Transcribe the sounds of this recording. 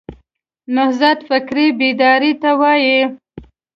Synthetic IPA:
nʊhzat̪fɪkɾibid̪ɑɾit̪awɑji

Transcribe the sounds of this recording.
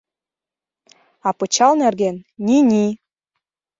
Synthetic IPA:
ɑpɤ̆t͡ɕɑlnerɣenːʲinʲi

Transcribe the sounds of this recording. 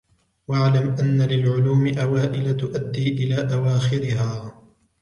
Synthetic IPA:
waʕlamʔanːalɪlʕʊluːmɪʔawaːʔɪlat̪ʊʔad̪ːiːʔɪlaːʔawaːxɪɾɪɦaː

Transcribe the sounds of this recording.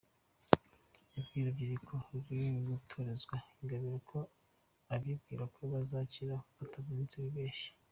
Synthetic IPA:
ebɡiːɾabjiɾikʰo̞ɾɡiɡutʰoɾezɡwaiŋɡaβiɾakʰo̞ | aβiub̚ɡiːɾakʰoβazaciɾakufatʰavɡiːnsiwiβeːʃi̥

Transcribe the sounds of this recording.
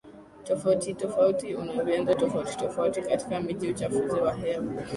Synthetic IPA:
tɔfautitɔfautiunaɔpɛndatɔfauti̥tɔfautikati̥kamiʄiut͡ʃafuziwaɦɛa

